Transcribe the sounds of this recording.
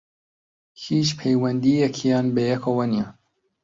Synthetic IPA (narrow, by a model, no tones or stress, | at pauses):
hiːʃpʰɛjwɛnd̪ijɛkʰijɑːnbejɛkʰowɐniɛ